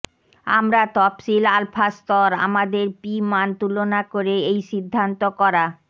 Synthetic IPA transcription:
a̰mɾat̪ɔpʃilalpʰast̪ɔɾa̰mad̪eɾpimant̪ulonakoɾeejʃid̪ʱːant̪okɔɾa

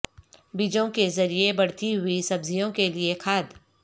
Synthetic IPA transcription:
bid͡ʒõkezɐɾiebɐɽ̤t̪iɦʊisɐbzijõkeliekʰaːd̪

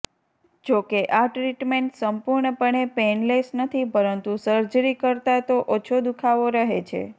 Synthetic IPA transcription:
d͡ʒokeʔaʈɾiʈmeɳʈsəmpuɾɳəpəɳepenlesnət̪ʰipəɾənt̪usəɾd͡ʒɾikəɾt̪at̪oʔot͡ʃʰod̪ukʰaʋoɾəɦet͡ʃʰḛ

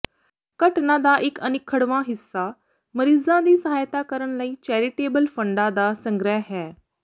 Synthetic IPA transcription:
kɐʈnãd̪aːʔɪkɐnɪkʰːəɽʋãɦɪsːa | mɐɾiːzãd̪iːsɐɦaːjt̪akəɾəɽ̃laiːt͡ʃɛːɾɪʈeːbəlfɐ̃ɳɖad̪aːsɐ̃ŋɡɾəɦɦɛː

